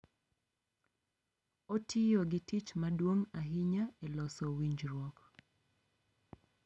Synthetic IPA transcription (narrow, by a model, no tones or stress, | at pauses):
otʰɪjɔɡɪtit͡ʃmadwoŋaɦɪɲaelɔsɔwiɲd͡ʒɾwɔk